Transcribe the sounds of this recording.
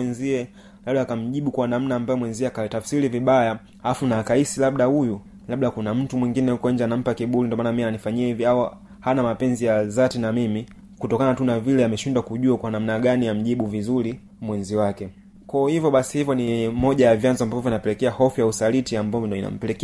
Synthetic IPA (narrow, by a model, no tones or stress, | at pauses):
ɛnziɛ | laɓɗaːkam̩ʄiɓukwanam̩naːmbajɔmwɛnziɛakatafsiɾiviɓaja | aafunaːkaisilaɓ̚ɗahuju | laɓ̚ɗakunam̩tumwiŋɡinɛhukɔɛɲd͡ʒanam̩pakiɓulindɔmanamiananifaɲiɛhiviawa | hanamapɛnzijazatinamimi | kutɔkanatunavilɛamɛʃindwakuʄuakwanam̩naɡanijam̩ʄiɓuvizuli | mwɛnziwakɛ | kaɔhivjɔɓasi̥hivjɔnimɔʄajavjanzɔambavɔvɔvinapɛlɛkɛahɔfujausalitiambavɔndɔina̰m̩pɛlɛk